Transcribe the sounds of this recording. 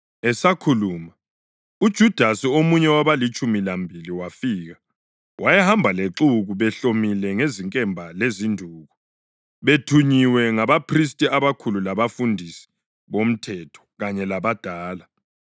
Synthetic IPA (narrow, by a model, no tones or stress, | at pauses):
ɛsakʰuluːma | ud̥ʒ̥ʱud̥ʱasiomuɲɛwaβalit͡ʃʼumilambʱiliwafiːɣa | wʔajɛhambʱaleǁuɣuβɛɬomilɛŋeziŋkʼɛmbʱalezindʱuːɣɔ | βetʰuɲiwɛŋaβapʰris̬tʼiaβakʰululaβafundʱisi̥ | βom̩tʰɛtʰɔ̥ɣaɲɛlaβad̥ʱaːla